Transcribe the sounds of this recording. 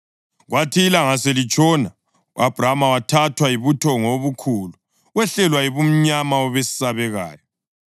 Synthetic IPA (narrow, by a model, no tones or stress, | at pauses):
ɣwatʰiːlaŋaselit͡ʃʼɔna | uab̥ʱramawatʰatʰwajiβutʰɔŋoβukʰulu | ɣwɛɬɛlwajiβum̩ɲamaɔβesi̥saβɛɣa̰ːjɔ